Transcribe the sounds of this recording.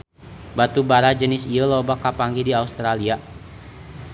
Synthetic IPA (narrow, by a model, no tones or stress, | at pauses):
bat̪ubaɾad͡ʒənɪsiəlɔbakːapaŋɡidiaust̪ɾalia